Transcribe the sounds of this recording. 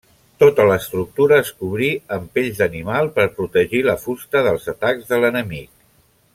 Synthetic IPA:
t̪ot̪ələːst̪ɾuk̚t̪uɾəːskuβɾiəmpeʎzðənimalˠpəɾpɾut̪əʒiləfust̪əðəlˠzət̪aɡzðələnəmik̚

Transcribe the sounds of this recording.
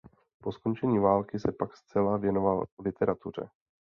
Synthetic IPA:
po̞sko̞nt͡ʃɛɲiːvaːlkɪsɛpakst͡sɛlavjɛno̞vallɪt̪ɛɾat̪ur̝ɛ̰

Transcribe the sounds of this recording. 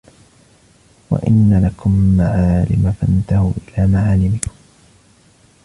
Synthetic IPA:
wa̰ʔɪnːalakʊmːaʕaːlɪmafant̪ahuːʔɪlaːmaʕaːlɪmɪkʊ̥m

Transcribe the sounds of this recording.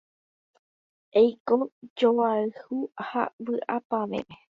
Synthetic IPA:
ejkod͡ʒowaɨhuha̰wɨʔa̰pamḛ̃mẽ

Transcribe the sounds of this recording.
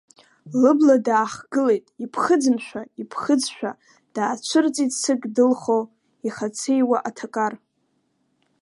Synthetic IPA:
lɨbladaːχɡɨle̞jtʼipʰχəd͡zɨnʃʷᶣaipʰχəd͡zʃᶣa̰ | d̥aːt͡ʃʷʰɨrt͡sʼitʼsɨkʼdɨlχo | iχat͡sʰejwaʔatʰakʼar

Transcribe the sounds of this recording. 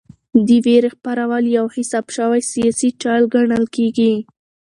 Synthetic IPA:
d̪əweɾexpaɾawəljawhɪsɑbʃəwajsijɑsit͡ʃɑlɡaɳəlkeɡi

